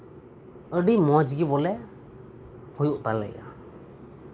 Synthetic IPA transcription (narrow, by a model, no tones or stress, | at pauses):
əɖimɔd͡ʒɡibɔlɛ | hujuʔt̪alɛ̰ja̰